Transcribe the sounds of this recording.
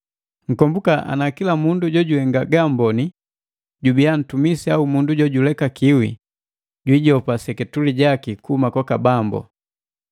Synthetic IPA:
ŋ̩kɔmbukaʔa̰nakilamunduɟɔɟuhɛŋɡaɡambɔni | ɟubian̩tumisiaumunduɟɔɟulɛkakiwḭ | ɟwiɟɔpasɛkɛtuliɟakikuhumakɔkabambɔ̰

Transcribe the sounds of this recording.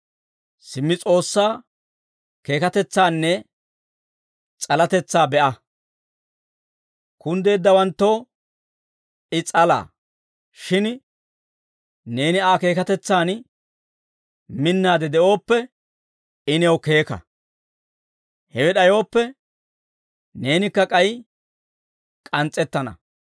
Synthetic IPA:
sɪmːɪt͡sʼo̞ːsːaː | ke̞ːkɐt̪ɛt͡sːaːnːɛ | t͡sʼɐlɐt̪ɛt͡sːaːbɛʔɐ | kʊnd̪e̞ːd̪ːɐwɐnt̪ːo̞ː | ɪt͡sʼɐla̰ː | ʃɪn | ne̞ːnɪaːke̞ːkɐt̪ɛt͡sːaːn | mɪnːaːd̪ɛd̪ɛʔo̞ːpːɛ | ɪnɛwke̞ːkɐ̰ | hɛwɛɗɐjo̞ːpːɛ | ne̞ːnɪkːɐkʼɐj | kʼɐnt͡sʼːɛt̪ːɐnɐ̰

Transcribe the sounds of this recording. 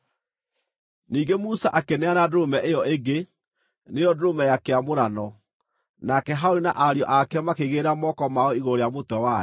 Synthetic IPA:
niːɡemusaʔakenɛanadomɛʔejɔeɡe | nejɔdomɛjakeamoɾanɔ | nakɛɦaoɾinaʔaɾjɔ̰ʔakɛmakeɣeɾamɔkɔmaɔiɣoɾojamotɔwa

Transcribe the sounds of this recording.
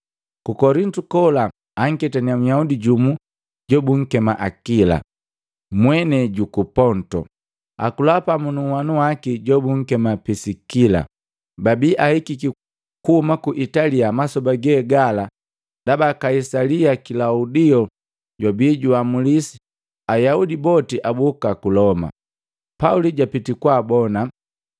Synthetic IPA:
kukɔɾintukɔla | aŋ̩kɛtaniamujaudiɟumu | ɟɔbuŋ̩kɛmaʔakila̰ | mwɛnɛɟukupɔntɔ̰ | a̰kulapamunuwanuwakiɟɔbuŋ̩kɛmapisikila̰ | babiːʔahikiki | kuhumakuʔitaliamasɔbaɡɛɡala | dabakaisaliakilaudiɔ | ɟɔbiːɟuamulisi̥ | ajaudibɔtiʔabukakulɔma̰ | pauliɟapitikwabɔna

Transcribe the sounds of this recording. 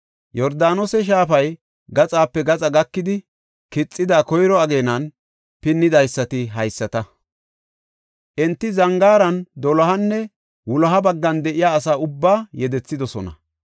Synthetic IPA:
jɔɾd̪aːnɔsɛʃ̬aːfɐj | ɡɐt͡sʼaːpːɛɡɐt͡sʼɐɡɐkːɪd̪ɪ | kɪt͡sʼːɪd̪aːkɔjɾɔɐɡe̞ːnɐn | pɪnːɪd̪ɐjsːɐt̪ɪɦɐjsːɐt̪ɐ | ʔɛnt̪ːɪzɐŋɡaːɾɐnd̪ɔlɐɦɐnːɛ | wʊlɐɦɐbɐɡːɐnd̪ɛʔɪjaːsaːʊbːaːjɛd̪ɛt͡sːɪd̪ɔsɔ̰nɐ̰

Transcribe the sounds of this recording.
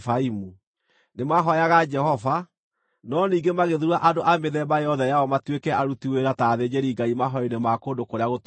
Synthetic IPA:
faimu | nemaɦɔjaɣad͡ʒɛɦɔva | nɔniːŋɡemaɣeðuɾuaʔadoʔameðɛbajɔðɛjaɔmatwekɛaɾutiweɾataːðed͡ʒeɾiɡaimaɦɔinemakoːndokoɾeaɣot

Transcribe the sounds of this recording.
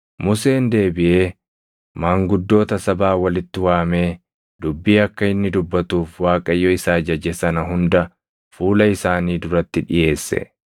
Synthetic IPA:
mʊse̞ːnd̪e̞ːbɪʔe̞ː | maːŋɡʊd̪ːo̞ːt̪ɐsɐbaːwɐlɪt̪ːɪwaːmeː | d̪ʊbːiːɐkːɐɪnːɪd̪ʊbːɐt̪uːfwaːkʼɐjːɔɪsaːd͡ʒɐd͡ʒɛsɐnɐɦʊnd̪ɐ | fuːlɐɪsaːniːd̪ʊɾɐt̪ːɪᶑɪje̞ːsːɛ̰

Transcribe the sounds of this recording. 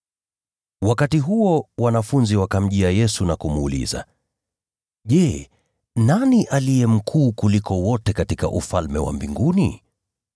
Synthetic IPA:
wakatiɦuɔwanafunziwakam̩ʄiajɛsunakumuːlḭza̰ | ʄɛ | naniʔalijɛm̩kʰuːkulikɔwɔtɛkatika̰ʔufalmɛwa̰mbiŋɡunḭ

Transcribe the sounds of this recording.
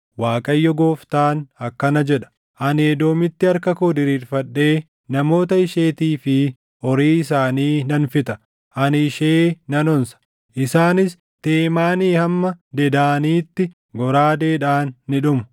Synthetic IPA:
waːkʼɐjːɔɡoːft̪aːnɐkːɐnɐd͡ʒɛᶑɐ̥ | ʔɐneːd̪o̞ːmɪt̪ːɪɐɾkɐkoːd̪ɪɾiːɾfɐɗːe̞ː | nɐmo̞ːt̪ɐɪʃe̞ːt̪iːfɪ | ʔɔɾiːɪs̬aːniːnɐnfɪt̪ɐ̥ | ʔɐnɪʃeːnɐnɔnsɐ̥ | ʔɪsaːnɪs | t̪eːmaːniːhɐmːɐd̪ɛd̪aːniːt̪ːɪ | ɡɔɾaːd̪e̞ːᶑaːnːɪᶑʊmʊ̥

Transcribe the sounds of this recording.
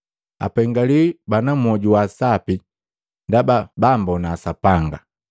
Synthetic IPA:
a̰pɛŋɡalibanam̩ɔɟuwaːsapi | ndababambɔnaːsapaŋɡa̰

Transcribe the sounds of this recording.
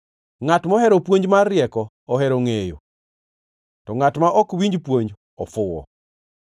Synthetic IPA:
ŋatmɔhɛɾɔpwoɲd͡ʒmarːjɛkɔ | ɔɦɛɾoŋejo̰ | tɔŋatmaʔɔkwiɲd͡ʒpwoɲd͡ʒ | ɔfʊwɔ̰

